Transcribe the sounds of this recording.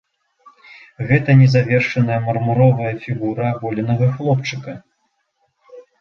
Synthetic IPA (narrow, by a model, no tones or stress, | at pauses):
ɣɛt̪ɐnʲɛzavʲɛrʂɐnɐjɐmɐrmuɾɔvɐjɐfʲiɣuɾɐbɔlʲɐnɐɣɐxlˠɔpt͡ʂɨkɐ